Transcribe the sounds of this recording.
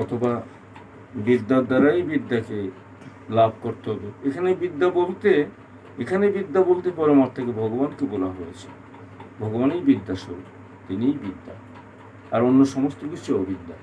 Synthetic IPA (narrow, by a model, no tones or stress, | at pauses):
ɔt̪ʰoba | bid̪ːad̪aɾajbid̪ːake | labʱkoɾt̪eɦɔbeekʰanebid̪ːabolt̪e | ekʰanebid̪ːabolt̪epɔɾemaɾt̪ʰekebʱɔɡobankebolaɦojet͡ɕʰe̥ | bʱɔɡobanejbid̪ːaʃoɾu | t̪inijbid̪ʱːa | aɾonːoʃɔmost̪oɡuʃt͡ɕʰeobʱid̪ːa̰